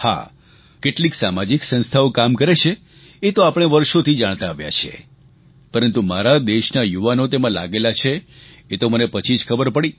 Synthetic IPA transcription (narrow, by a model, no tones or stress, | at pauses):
ha̰ | keʈliksamad͡ʒiksə̃nst̪ʰaokamkəɾet͡ʃʰe | et̪oapəɽ̃eʋəɾʃot̪ʰid͡ʒaɽ̃t̪aːʋja̰t͡ʃʰiḛ | pəɾənt̪umaɾad̪eʃnajuʋanot̪emãla̰ɡelat͡ʃʰeː | t̪omənepət͡ʃʰid͡ʒkʰəbəɾpəɽi